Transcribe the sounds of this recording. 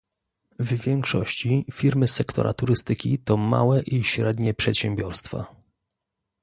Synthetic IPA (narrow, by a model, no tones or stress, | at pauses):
vvʲjɛŋkʂɔ̰ɕt͡ɕifʲiɾmɘsɛkt̪ʰɔ̰ɾʔa̰t̪uɾɘst̪ɘkʲit̪ɔma̰wɛʔiɕɾɛd̪ɲɛpʂɛt̪ɕɛmbʲjɔɾst̪fa̰